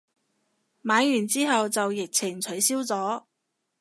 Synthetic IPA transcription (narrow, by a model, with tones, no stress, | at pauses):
maː˨˥jjyː˨˩nt͡siː˥ɦɐ˨wt͡sɐ˨wjɪ˨k̚t͡sʰɪ˨˩ŋt͡sʰɵ˨˥ɥsiː˥wt͡sɔː˨˥